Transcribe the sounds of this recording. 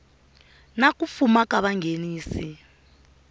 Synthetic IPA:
nak̬ʼufumak̬ʼaɓaŋʱeniːsi

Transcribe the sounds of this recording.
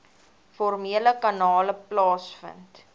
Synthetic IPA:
fɔrmiələkɐnɑːləplɑːsfə̰nt

